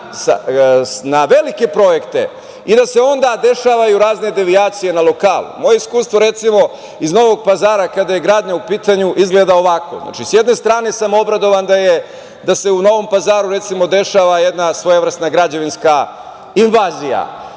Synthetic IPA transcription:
sa̰ | naʋe̞like̞pɾo̞je̞kt̪e̞̰ | id̪ase̞o̞nd̪ad̪e̞ʃaːʋajuɾaːzne̞d̪e̞ʋiaːt̪sije̞nalo̞kaːlṵmo̞jeiskuːst̪ʋo̞ɾe̞t̪simo̞ | izno̞ʋo̞ɡ̚pazaːɾakad̪aje̞ɡɾaːd̪ɲaupiːt̪aɲuʔizɡleːd̪ao̞ʋako̰na̰t͡ʃisjed̪ne̞st̪ɾaːne̞samo̞bɾad̪o̞ʋand̪aje | d̪ase̞uno̞ʋo̞mpazaːɾuɾe̞t̪simo̞d̪e̞ʃaʋaje̞d̪nasʋo̞jeʋr̩st̪naɡɾad͡ʑeʋinska | inʋaːzija̰

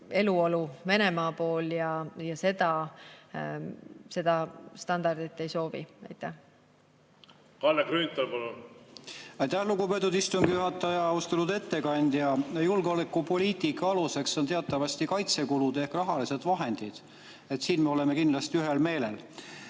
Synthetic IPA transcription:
e̞luo̞luve̞ne̞mɑːpo̞ːljɑjɑse̞d̪ɑ | se̞d̪̥ɑst̪ɑnd̪ɑrd̪̥it̪ːe̞jso̞ːvḭɑ̰jt̪ˑːæh | kɑlːekɾynʲt̪ːɑlpɑlu | ɑjt̪ːˑæhluɡupe̞t̪ːˑud̪ist̪uŋɡijuɦɑt̪ːˑɑjɑɑust̪e̞lud̪e̞t̪ːe̞kɑnʲd̪̥jɑjulɡo̞lekˑːupo̞lʲiːt̪ˑikˑːɑɑluse̞kso̞nt̪e̞ɑt̪ːˑɑvɑsʲt̪ikɑjt̪se̞kulud̪̥e̞hkrɑɦɑlise̞d̪̥vɑɦe̞nd̪̥id̪̥ | e̞t̪siːnme̞o̞lemekinlɑst̪iyɦelme̞ːlḛl

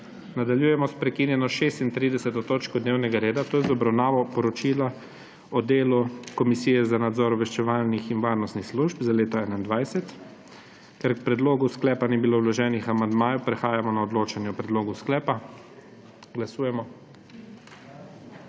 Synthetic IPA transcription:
nad̪aljuːjɛmɔspɾɛkinjɛnɔʃeːst̪int̪ɾid̪ɛsɛt̪ɔt̪oːt͡ʃkɔd̪neːwnɛɡaɾeːd̪at̪oːjɛzɔbɾawnaːʋɔpɔɾɔt͡ʃiːla | ɔd̪eːlukɔmisiːjɛzanad̪zɔɾɔbʋɛʃt͡ʃɛʋaːlnixinʋaːɾnɔst̪nixsluʒpzaleːt̪ɔɛːnaind̪ʋajsɛt̪ | kɛɾkpɾɛd̪loːɡusklɛːpaniːbiloːwlɔʒɛːnixamand̪maːjupɾɛxaːjamɔnaɔd̪loːt͡ʃanjɛɔpɾɛd̪loːɡusklɛːpa | ɡlasuːjɛmɔ

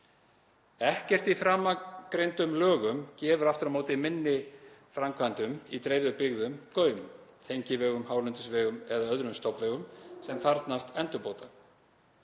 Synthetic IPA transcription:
ɛhcɛr̥t̪ifɾaːmakɾejnt̪ʏmlœːɣʏmcɛːvʏɾaft̪ʏɾamoːwt̪ɪmɪnːɪfɾamkʰvant̪ʏmit̪ɾejðʏpɪɣðʏmkœːɥmt̪ʰejɲcɪvɛːɣʏmhaːwlʏnt̪ʏsvɛːɣʏmɛðaœðɾʏmst̪ɔpvɛːɣʏmsɛmθaɾt̪nast̪ɛnt̪ʏpoːwt̪a

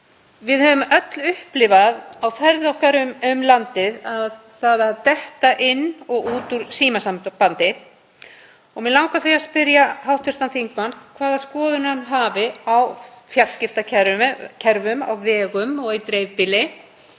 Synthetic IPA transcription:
vɪðhœvʏmœt̪lʏhplɪvaðawfɛɾðɔhkaɾʏmʏmlant̪ɪðað | θaðɪaðt̪ɛht̪aʔɪnːɔɣuːt̪uɾ̥siːmasampant̪ɪ | ɔɣmɛðlawŋkaθijaspɪɾjaɦawht̪vʏɾ̥t̪anθiŋkmankʰvaːðaskɔːðʏnhanːɦaːvɪawfjalscɪft̪acʰɛɾcʰɛɾvʏma̰wvɛːɣʏmɔɣit̪ɾeːjvpɪlɪ

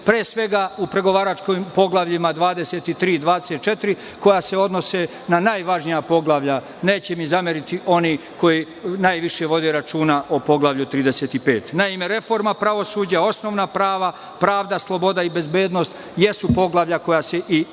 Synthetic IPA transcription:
pɾeːsʋe̞ɡaupɾe̞ɡo̞ʋaːɾat͡ʃkojmpo̞ɡlˠaʋʎimad̪ʋaːd̪e̞se̞t̪it̪ɾiːd̪ʋaːd̪eset̪̚t͡ʃe̞t̪iɾi | ko̞jase̞o̞d̪no̞se | nanaːjʋaʒnijapo̞ɡlˠaʋʎa | neːt͡ɕe̞mizameɾit̪iʔo̞niko̞ji | najʋiʃe̞ʋo̞d̪e̞ɾat͡ʃuːnaʔopo̞ɡlˠaʋʎut̪ɾiːd̪eset̪ipeːt̪naime̞ɾe̞fo̞ɾmapɾaʋo̞suːd͡ʑao̞sno̞ːʋnapɾaːʋa | pɾaːʋd̪aslˠo̞bo̞d̪aibe̞zbeːd̪no̞st̪ | je̞supo̞ɡlˠaʋʎako̞jase̞ʔi

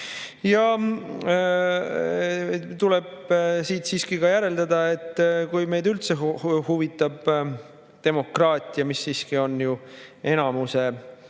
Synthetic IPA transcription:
jɑ | t̪uleb̥siːt̪siːskiɡɑjæɾe̞ld̪ɑd̪ɑe̞t̪ːˑkujme̞jd̪ylt̪sehuvit̪ːˑɑb̥ | t̪e̞mo̞krɑːt̪ʲˑiɑmisːiːskio̞nːjue̞nɑmuse̞

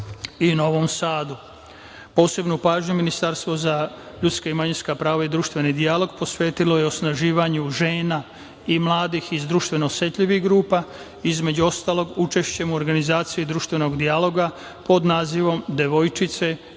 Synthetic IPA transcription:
ino̞ʋo̞msaːd̪u | po̞ːse̞bnupaːʒɲuminist̪aɾst̪ʋo̞za | ʎut̪skaimaɲinskapɾaːʋaid̪ɾuːʃt̪ʋe̞nid̪ijalo̞ɡpo̞sʋeːt̪ilo̞jeosnaʒiːʋaɲuʒeːna | imlˠaːd̪ixizd̪ɾuːʃt̪ʋe̞noːsje̞t̪ʎiʋixɡɾuːpa | izme̞d͡ʑuo̞st̪aːlo̞ɡut͡ʃe̞ʃt͡ɕe̞muoɾɡanizaːt̪sijed̪ɾuːʃt̪ʋe̞no̞ɡd̪ialo̞ɡa | po̞d̪naːziʋo̞md̪eʋo̞jt͡ʃit̪se̞

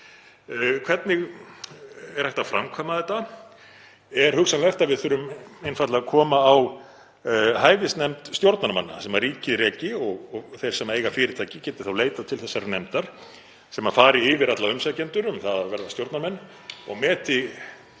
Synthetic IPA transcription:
kʰv̥ɛt̪nɪɣ | ɛɾ̥hajht̪afɾamkʰvaːmaðɛt̪ːa | ɛɾ̥hʏksanlɛjht̪avɪðθœɾʏmejnfat̪laakʰɔːmaːw | ɦaːjvɪst̪nɛmt̪st̪jowɾt̪naɾmanːa̰sɛmariːcɪðɾɛːcɪɔɣɔθejɾ̥sɛmaejɣafɪːɾɪt̪ʰajcɪcɛːt̪ɪ̥θawleːjt̪at̪ʰɪlθɛsːaɾnɛmt̪aɾ̥ | sɛmafaːɾɪɪvɪɾat̪laʏmsacɛnt̪ʏɾʏmθaðavɛɾðast̪jowɾt̪naɾmɛnː | ɔɣmɛːt̪ɪ

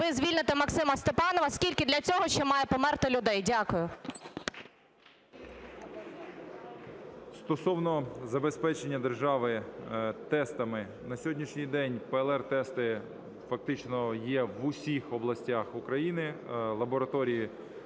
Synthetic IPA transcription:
ʋɪzʲʋʲilʲnɪt̪ɪmɐksɪmɐst̪epɑnɔʋɐskʲilʲkɪd̪lʲɐt͡sʲɔɦɔʃt͡ʃɛmɑjɛpɔmɛrt̪ɪlʲʊd̪ɛjdʲakʊjʊ | st̪ɔsɔwnɔzɐbespɛt͡ʃenʲːɐd̪erʒɑʋɪt̪ɛst̪ɐmɪ | nɐsʲɦɔdʲnʲiʃnʲijd̪ɛnʲpɛːlˠɛrt̪ɛst̪ɪ | fɐk̚t̪ɪt͡ʃnɔjɛʋʊsʲixɔblˠɐsʲtʲaxukɾɐjinɪlˠɐbɔɾɐt̪ɔɾʲiji

